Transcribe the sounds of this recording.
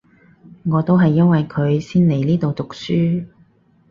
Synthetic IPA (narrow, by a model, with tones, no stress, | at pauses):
ŋɔː˨˧t̪o˥wɦɐ˨jːɐ˥nwɐ˨jkʰɵ˨˧ɥsiː˥nle˨˩jliː˥t̪o˨wt̪ʊ˨k̚syː˥